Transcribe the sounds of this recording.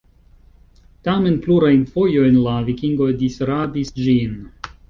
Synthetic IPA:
tame̞npluɾajnfo̞jo̞jnlavikiŋɡo̞disɾadisd͡ʒin

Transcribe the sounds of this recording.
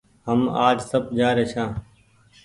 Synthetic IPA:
həmaːd͡ʒsəbd͡ʒaːɾeːʃʰãː

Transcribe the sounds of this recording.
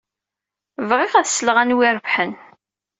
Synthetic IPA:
vʁɪʁæðsːəlʁænwiɾˤəvħən

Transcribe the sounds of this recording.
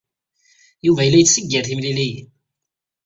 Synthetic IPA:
juvæjəlːæjət͡sːsəɡːəɾθimlilij

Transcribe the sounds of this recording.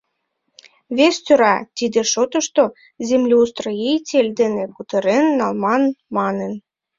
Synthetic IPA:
βest̪ʲøɾɑt̪id̪eʃot̪ə̆ʃt̪o | zemlʲiust̪rojejtʲelʲd̪eneput̪ɤ̆ɾenːɑlmɑnmɑnen

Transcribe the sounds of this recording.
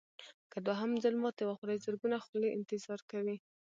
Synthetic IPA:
kad̪waɦamzalmɑt̪jawaxɾajzəɾɡunaxuleʔɪ̰nt̪ɪzɑɾkawi

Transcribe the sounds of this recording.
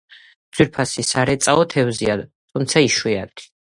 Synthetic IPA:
z̥wiɾpʰasisaɾɛt̪sʼaɔt̪ʰɛvziad̪ | t̪ʰumt̪sʰaiʃwia̰t̪ʰi̥

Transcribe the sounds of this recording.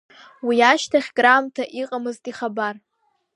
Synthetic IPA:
wiaʃtʰaχʲɡramtʰaʔiqʼamɨztʼiχabar

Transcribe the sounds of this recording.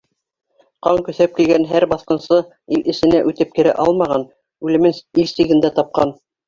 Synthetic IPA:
qɑŋkɵ̆θæp̚kilɡænɦæɾbɑθqɤ̆nsɤ | ilɘ̆ʃɘ̆næʔʉt̪ɘp̚kɘ̆ɾæ̰ʔɑlˠmɑʁɑn | ʉlɘ̆mɘnilsiɡɘ̆nd̪æt̪ɑp̚qɑn

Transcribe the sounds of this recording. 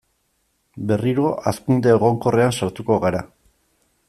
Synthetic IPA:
be̞riɾo̞ʔaskund̪eːɣ̞o̞ŋko̞re̞ansaɾt̪uko̞ɣaɾa̰

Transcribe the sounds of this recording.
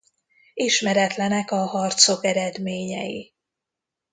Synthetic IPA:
iʃmɛɾɛt̪lɛnɛkɒhɒrt̪so̞kɛɾɛd̪meːɲɛ̰jḭ

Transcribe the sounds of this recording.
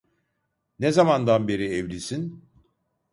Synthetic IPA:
nezamand̪anbe̞ɾiɛvlʲisin

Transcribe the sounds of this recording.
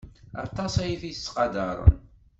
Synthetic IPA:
ɑ̰t̪ˤːɑsæjiθiθə̥sːqɑd̪ɑɾˤə̰n

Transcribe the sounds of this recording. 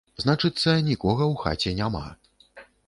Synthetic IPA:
znat͡ʂɨt̪sːɐnʲikɔɣɐwxa̰t͡sʲɛnʲama̰

